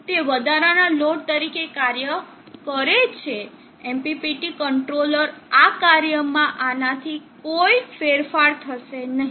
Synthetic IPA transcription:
t̪eʋəd̪ʱaɾanaloɽ̚t̪əɾikekaɾjə | kəɾet͡ʃʰe | empipiʈikəɳʈɾoləɾakaɾjəmãʔanat̪ʰikoifeɾfaɾt̪ʰəʃenəɦ

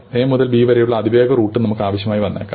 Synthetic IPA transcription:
e̞ːmuðɐlbiːʋɐɾɐjuɭːɐːd̪iʋeːɡɐruːʈːɨnɐmukːɨaːʋɐɕjɐmaːjiʋɐnːḛːkːa̰ː

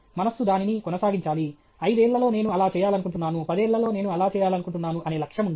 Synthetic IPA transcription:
mɐnɐsud̪aːninikɔnɐsaːɡiɲt͡ʃaːli | ɐjd̪ueːɭːɐlo̞ːne̞ːnuɐlaːt͡ʃɛːjaːlɐnukuɳʈunːaːnupɐd̪eːɭːɐlo̞ːne̞ːnuɐlaːt͡ʃɛːjaːlɐnukuɳʈunːaːnuʔɐne̞ːlɐkʂjɐmund̪i

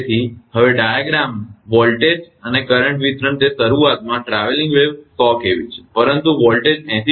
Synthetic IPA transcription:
t̪ʰihəʋeɖajaɡɾamʋɔlʈed͡ʒ | ənekəɾəɳʈʋit̪ɾəɳt̪esəɾuat̪mãʈɾaʋelĩŋɡʋeʋt̪ɔkeʋit͡ʃʰe̥pəɾənt̪uʋɔlʈed͡ʒɛ̃t̪ʰi

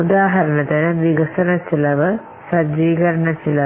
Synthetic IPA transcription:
ud̪aːɦɐɾɐnɐt̪ɐnɐʋiɡɐsɐnɐsilɐʋɐ | sɐd͡ʒiːɡɐɾɐɳɐsilɐ

